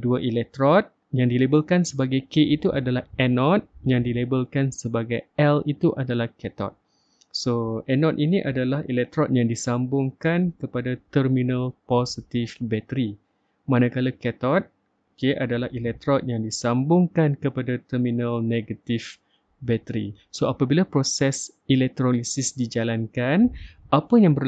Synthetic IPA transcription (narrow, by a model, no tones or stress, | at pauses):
duaʔilɛk̚t̪ɾɔt̪̚ | jaŋdilebəlkansəbaɡajkeʔit̪uʔadalahɛnɔt̪̚jaŋdilebəlkansəbaɡajɛlit̪uʔadalahkɛt̪ɔ̰t̪̚ | soɛnɔt̪̚iniʔadalahilɛk̚t̪ɾɔt̪̚jaŋdisambʊŋkankəpadat̪ərminə̃lpɔsit̪ifbɛt̪əɾi | mãnakalakɛt̪ɔt̪̚ | keʔadalahʔilɛk̚t̪ɾɔt̪̚jaŋdisambʊŋkankəpadat̪ərminəlneɡat̪if | bɛt̪əɾḭ | soapabilapɾosɛs | ilɛk̚t̪ɾolisisdid͡ʒalankanʔapəjaŋbə